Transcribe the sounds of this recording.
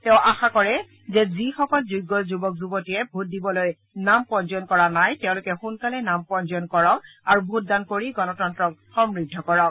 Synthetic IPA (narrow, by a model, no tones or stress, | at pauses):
tɛʊʔaxakɔɹɛ | zɛzixɔkɔlzuɡɔlzubɔk̚zubɔtiɛbʱut̚dibɔloj | nampɔnzɔnkɔɹanajtɛʊ̃lʊkɛxunkalɛnampɔnzɔnkɔɹɔkaɹubʱut̚dankoɹiɡɔnɔtɔntɹɔk̚xɔmɹidʱːɔkɔɹɔk